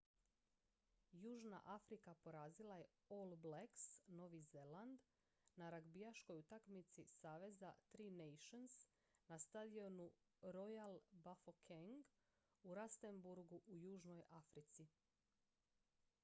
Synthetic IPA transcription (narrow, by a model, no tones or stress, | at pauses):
juːʒna̰ʔafɾikapo̞ɾaːzilˠaje̞ | olˠbleksno̞ʋizeland̪ | naɾaɡbijaʃko̞jut̪akmit̪sisaːʋe̞zat̪ɾiːnejʃons | nast̪ad̪io̞nu | ɾojalˠbafokʰeŋɡ | uɾast̪embuɾɡuʔujuːʒno̞jafɾit̪si